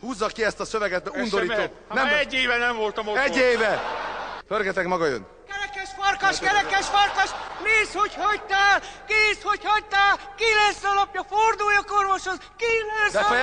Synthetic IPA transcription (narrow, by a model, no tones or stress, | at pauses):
huːzːɒkiɛst̪ɒsøvɛɡɛt̪ɛund̪oɾiːt̪oː | nɛmɛɟːeːvɛnɛɱvo̞lt̪ɒmoɛɟːeːvɛ | førɡɛt̪ɛkmɒɡɒjø̰n | kɛɾɛkɛʃfɒrkɒʃʃkɛɾɛkɛʃfɒrkɒʃneːshochɒt̪aːlkisho̞chɒc̚t̪aːlkilɛsːɒlɒpjɒford̪ujjɒkorʋoʃhozkilɛsd̪ɛ